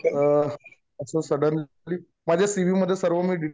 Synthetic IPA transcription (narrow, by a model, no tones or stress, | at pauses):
əsəsəɽən | liː | mad͡ʑʱjasiʋiːməd̪ʱːjesəɾʋəmiːɖi